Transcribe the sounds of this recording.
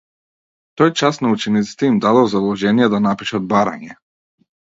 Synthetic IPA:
t̪ɔjt͡ʃasnaut͡ʃɛnit̪si̥t̪ɛimd̪ad̪ɔzad̪ˠɔʒɛnijɛd̪anapiʃad̪̚baɾa̰ɲɛ

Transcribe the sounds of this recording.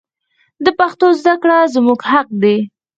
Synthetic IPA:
d̪əpaxt̪ozd̪akɽazmuɡhaq̚d̪e

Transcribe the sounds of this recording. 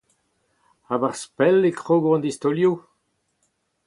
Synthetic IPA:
abaʁspɛlekʁoɡɔ̃nd̪ist̪oljo

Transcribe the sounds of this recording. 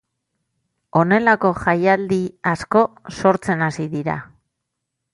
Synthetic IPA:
o̞ne̞lako̞ʝajald̪iasko̞so̞ɾt͡se̞nasiðiɾa̰

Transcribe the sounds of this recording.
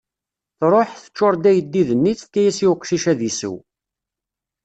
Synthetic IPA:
θɾˤoħθə̥t͡ʃːoɾˤd̪æjəd̪ːiðənːit͡st̪ːæjæsiwqːʃiʃæðisə̰w

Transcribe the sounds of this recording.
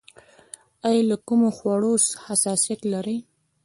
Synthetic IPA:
ajɑlakumoxwaɽoshasɑsijat̪laɾəj

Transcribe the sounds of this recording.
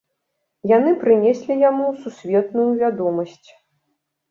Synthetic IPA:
janɨpɾɨnʲɛsʲlʲijamususʲvʲɛt̪nujuvʲad̪ɔmɐsʲt͡sʲ

